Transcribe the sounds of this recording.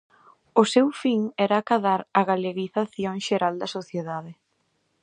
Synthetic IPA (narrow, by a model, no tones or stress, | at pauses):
ʊsewfiŋɛɾaːkaðaɾaɣaleɣiθaθjoŋʃeɾald̪ɐsoθjeðaðɪ